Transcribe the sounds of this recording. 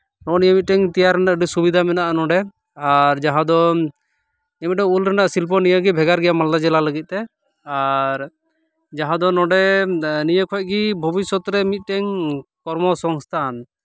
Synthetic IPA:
nɔnijəmit̪̚ʈɛŋt̪ijaɾɛnaəɖisubid̪ʱamɛnaʔanɔ̃ɖɛ | aɾd͡ʒaɦãd̪ɔ | imit̪̚ʈɛŋulɾɛnaʔsilp̬ɔnijəɡibʱɛɡaɾɡɛjamald̪ad͡ʒɛlaləɡit̪̚ˀt̪ɛ | aɾ | d͡ʒaɦãd̪ɔnɔ̃ɖɛnijəkʰɔc̚ɡibʱɔbisɔt̪ɾɛmit̪̚ˀʈɛŋkɔɾmɔsɔŋst̪ʰan

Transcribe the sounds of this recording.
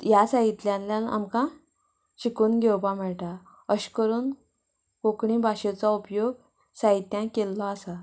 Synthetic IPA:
jasaɦit̪ljãnljãna̰mkã | ɕikuːnɡʱewpãm̤ɛɭʈ̪a | əɕkəɾuːn | kokɳĩbaɕet͡saupjoɡ | saɦit̪jãkelːɔasa

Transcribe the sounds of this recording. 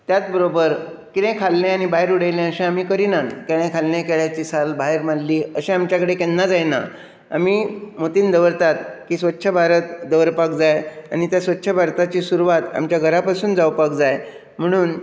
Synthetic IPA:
t̪jat͡sbəɾobəɾ | kit̪ẽkʰalnẽañibaɦeɾuɽəjlẽəɕẽamiːkəɾinankeɽẽkʰalnekeɭat͡ɕiːsalbaɦeɾmalliːəɕẽamt͡ɕjakəɽekenːad͡zajna̰ | a̰miːmot̪iːnd̪əʋɾt̪at̪kiːsʋət̪ːɕʰəbʱaɾət̪̚d̪əʋəɾpak̚d͡zaja̰ñit̪jasʋət̪ːɕʰəbʱaɾt̪at͡ɕiːsuɾuʋat̪a̰mt͡ɕjaɡʱəɾapasuːnd͡zawpakd͡zaj | m̤əɽ̃uːn

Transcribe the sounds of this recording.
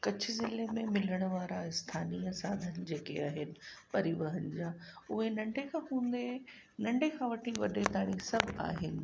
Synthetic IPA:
kɐt͡ɕʰɪzɪlemẽmɪl̤əɽ̃ʊʋaːɾaɪst̪ʰaːniːəsaːd̪ʱənɪ̆d͡ʑeːkeaːɦɪnɪ̆pɐɾiʋəɦənɪ̆d͡ʑaːʊɦenɐ̃ɳɖʱekʰãːɦũːnd̪e | nɐ̃ɳɖʱekʰãʋɐʈʰiʋɐɗet̪aːɽ̃isɐbʱa̰ːɦɪnɪ̆

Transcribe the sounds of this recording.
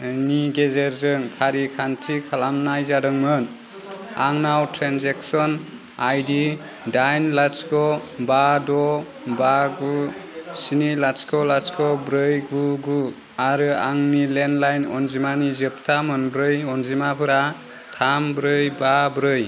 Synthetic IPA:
niɡezeɾzɯŋpʰaɾikʰantʰikʰalamnajzadɯŋmɯn | aŋnawtʰɾanzeksɔn | ajdi | dajnlaskʰɔbadɔ | baɡusinilaskʰɔlaskʰɔbɾɯjɡuɡu | aɾɯaŋnilenlajnɔnzimanizɯp̚tʰamɯnbɾɯjɔnzimapʰɯɾa | tʰambɾɯjbabɾɯj

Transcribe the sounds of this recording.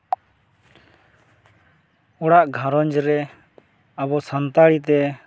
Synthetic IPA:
ɔɽaʔɡʱãɾɔɲd͡ʒɾɛ | aβɔsant̪aɽit̪ɛ

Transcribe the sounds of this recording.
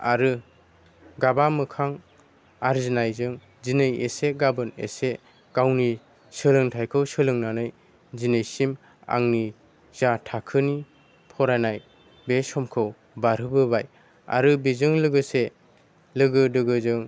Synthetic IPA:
a̰ɾɯ | ɡabamɯkʰaŋ | aɾzinajzɯŋ | zinɯjeseɡabɯnḛse | ɡ̥awni | sɯlɯŋtʰajkʰɯwsɯlɯŋnanɯj | zinɯjsim | a̰ŋni | zatʰakʰɯni | pʰɔɾanaj | besɔmkʰɯw | baɾɯbɯbaj | a̰ɾɯbizɯŋlɯɡɯse | lɯɡɯdɯɡɯzɯŋ

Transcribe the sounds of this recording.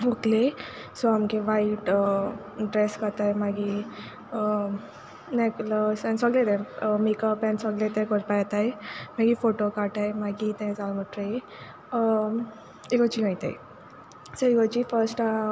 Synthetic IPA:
moklesɔamkeʋaiʈ | ɖɾeskəɾt̪ajmaɡi | nekləsansəɡlet̪ɛ̃mikapɛnsəɡlet̪ɛ̃kəɾpajt̪ajmaɡifoʈokaʈajmaɡit̪ɛ̃d͡zalməʈɾe | ekət͡ɕiɡãĩt̪a̰j | səekət͡ɕifəɾsʈa

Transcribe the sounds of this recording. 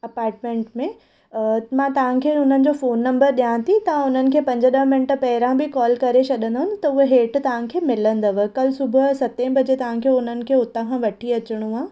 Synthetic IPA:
ɐpaːɾʈmẽːɳʈmẽ | mãːt̪ɐʋ̤ãkʰeːʊn̤ənɪ̆d͡ʑoːfoːnːɐ̃mbəɾɗijãt̪ʰit̪ɐʋ̤ãʊn̤ənɪ̆kʰeːpɐ̃ɲd͡ʑəɗɐmɪnʈəpɐɦɪɾãbɪkɔːlkɐɾesɐɗə̃nd̪ɐɦʊn̆t̪ɐʊɦeɦeːʈt̪ɐʋ̤ãkʰeːmɪlə̃nd̪ɐʋ̆kɐlsʊbʱʊsɐt̪ẽbɐd͡ʑet̪ɐʋ̤ãkʰeːʊn̤ənɪ̆kʰeːʊt̪ãkʰãʋɐʈʰiɐt͡ɕɪɽ̃ũaː

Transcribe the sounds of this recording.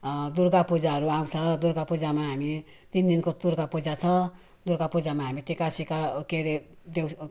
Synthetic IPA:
d̪urɡapud͡zaɦʌɾuãw̃t͡sʰʌd̪urɡapud͡zamaɦami | t̪ind̪inkot̪uɾɡapud͡zat͡sʰʌ | d̪urɡapud͡zamaɦamit̪ikasikakeɾe | d̪ew

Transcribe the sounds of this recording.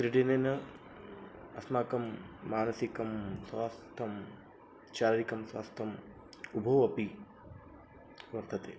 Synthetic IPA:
kɾiɖenenɐ | ɐsmaːkɐmːaːnɐsikɐmswʋaːst̪ʰɐm | t͡ʃaːɾɾikɐmsʋa̰ːst̪ʰɐm | ubʱɐwɐpi | ʋɐɾt̪ʰɐt̪eː

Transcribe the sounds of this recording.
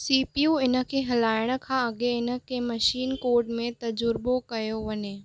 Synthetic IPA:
siːpijuɪnə̆kʰeɦɐlaːɪɽ̃kʰãɐɡeɪnə̆kemɐʃiːnkoːɾɖmẽt̪ɐd͡ʒʊɾbokɐjoʋɐɲeː

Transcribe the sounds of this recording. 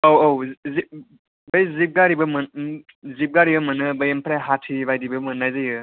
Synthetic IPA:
owowzi | bəjzip̚ɡaɾibɯmɯn | zip̚ɡaɾibɐmɯnɯbɯjempʰɾajɦatʰibajdibɯmɯnːajzɯjɯ

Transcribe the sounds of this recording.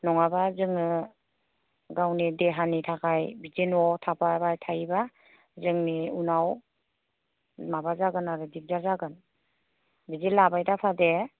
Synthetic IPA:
nɔŋabazɯŋɯ | ɡawnideɦanitʰakʰajbizinɔtʰapʰabajtʰajba | zɯŋniunaw | mabazaɡɯnaɾudib̚zazaɡɯn | bizilabajdapʰade

